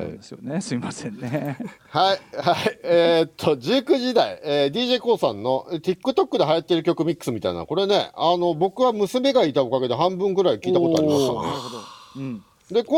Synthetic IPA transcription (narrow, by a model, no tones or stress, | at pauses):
sjonesɨimasẽnːehaihaieːt̪ʰːo̞d͡ʑɨːkɯ̟ʑid̪aḭeːd̪ʲiːʑe̞ːko̞ːsãnːo̞t̪ʲikːɯ̟t̪o̞kːɯ̟d̪e̞ɦajat̪ːe̞ɾɯ̟kʲo̞kɯ̟mʲikːɯ̟̥sɨmʲit̪aḭna̰ko̞ɾe̞ne̞̰ano̞bo̞kɯ̟βamɯ̟sɨme̞ɡait̪ao̞kaɡe̞d̪e̞ɦãmbɯ̃ŋɡɯ̟ɾaikʲiiːt̪akooaɾimmaa̰nḛd̪ | d̪e̞ko